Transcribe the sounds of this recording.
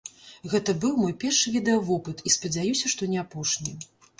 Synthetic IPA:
ɣɛt̪ɐbɨwmɔjpʲɛrʂɨvʲid̪ɛɐvɔpɨt̪ispɐd͡zʲajusʲɐʂt̪ɔnʲɛapɔʂnʲi

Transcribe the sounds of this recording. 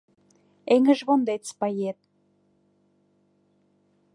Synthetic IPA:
eŋɘ̆ʒβond̪et̪t͡spɑjet̪̚

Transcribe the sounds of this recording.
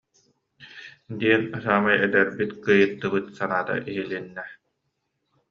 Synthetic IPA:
d̪iɛnɯsaːmajɛd̪ɛɾbit̪kɯjɯt̪ːɯbɯt̪sanaːt̪a̰ʔiɦilinːɛ

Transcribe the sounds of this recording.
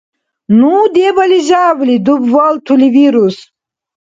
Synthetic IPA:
nud̪ebɐliʑawlid̪ubvɐlt̪ʰuliviɾus

